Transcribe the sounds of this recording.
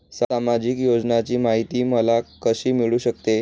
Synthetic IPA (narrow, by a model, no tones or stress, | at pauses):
saamad͡ʑikjod͡ʑnat͡ɕiːmaɦit̪iːməlakəɕiːmiɭuːɕək̚t̪e